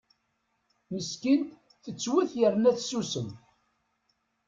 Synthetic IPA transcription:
məskint̪ | θət͡sːwiθjəɾnæθsusəm

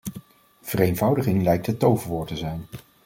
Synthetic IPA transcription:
v̥ərejnvɑwdəχɪŋlɛjk̚tɦətːowvəʋʊːɹtəzɛjn

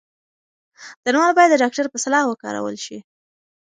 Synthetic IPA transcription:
d̪̥əɾwɑlbɑjad̪ːəɖɑk̚ʈaɾpəsalɑhwəkɑ̰ɾa̰wə̰lʃi

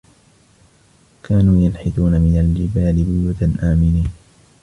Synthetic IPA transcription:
kaːnuːjanħɪθuːnamɪnald͡ʒɪbaːlɪbʊjuːt̪anʔaːmɪniːn

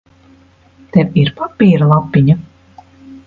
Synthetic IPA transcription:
t̪ɛviɾpapːiːɾlˠapːiɲa

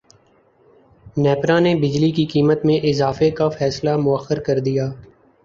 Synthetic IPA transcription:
nɛːpɾãnebɪd͡ʒlikikiːmət̪mẽʔɪzaːfekafɛːslamʊəxːəɾkɐɾd̪ijaː

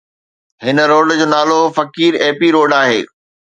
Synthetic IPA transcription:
ɦɪnə̆ɾoːɖd͡ʑoːnaːlofɐkiːɾeːpiɾoːɖaːɦḛː

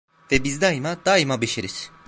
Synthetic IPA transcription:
vɛbizd̪ajimad̪̥ajmabeʃeɾiz̥

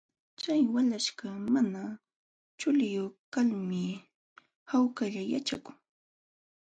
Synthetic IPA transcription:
t͡ʃajwalaʃɢamana | t͡ʃʊlɪjokalmɪ | hawkaʎaja̰t͡ʃa̰kʊ̥ŋ

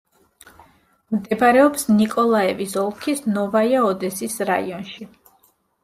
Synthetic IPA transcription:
md̪ɛbɾɛɔpsnikʼɔlˠaɛvisɔlˠkʰisnɔvaiaɔd̪ɛsisɾa̰ḭɔnʃi

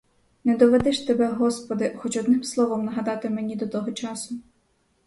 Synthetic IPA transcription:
nɛd̪ɔʋed̪ɪʃt̪ebɛɦɔspɔd̪ɪxɔt͡ʃɔd̪nɪmslˠɔʋɔmnɐɦɐd̪ɑt̪ɪmenʲid̪ɔt̪ɔɦɔt͡ʃɑsʊ

